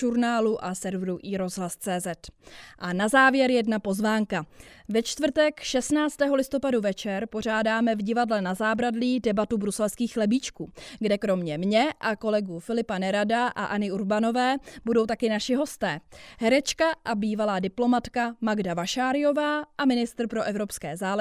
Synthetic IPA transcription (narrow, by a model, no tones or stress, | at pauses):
uɾnaːluʔasɛɾvɾuʔiːɾo̞zɦlast͡sɛːzɛt̪ʔanazaːvjɛɾjɛdnapo̞zvaːŋkavɛt͡ʃt̪vr̩t̪ɛkʃɛst̪naːt͡st̪ɛːɦo̞lɪst̪o̞paduvɛt͡ʃɛɾpo̞r̝aːdaːmɛvɟɪvadlɛnazaːbɾadliːdɛbat̪ubɾusɛlskiːxlɛbiːt͡ʃkuːɡdɛkɾo̞mɲɛmɲɛʔako̞lɛɡufɪlɪpanɛɾadaʔa̰ʔanɪuɾbano̞vɛːbudo̞wt̪akɪnaʃɪɦo̞st̪ɛːɦɛɾɛt͡ʃkaʔabiːvalaːdɪplo̞mat̪kamaɡdavaʃaːɾɪjo̞vaːʔamɪnɪst̪ɾ̩pɾo̞ʔɛvɾo̞pskɛːzaːlɛ